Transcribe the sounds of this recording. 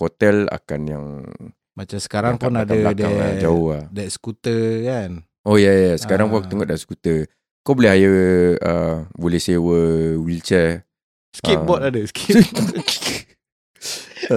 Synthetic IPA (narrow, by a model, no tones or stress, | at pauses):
hot̪ɛla̰kanjaŋ | mat͡ʃamsə̥kaɾaŋpunadkaaadɛaa̰d͡ʒaohadɛʔsə̥kut̪əkan | ojajasə̥kaɾaŋput̪əŋɔʔdaʔsəkut̪ə | kobolɛɦajəəbolɛhsewəwilt͡ʃə | səʔibɔt̪adəski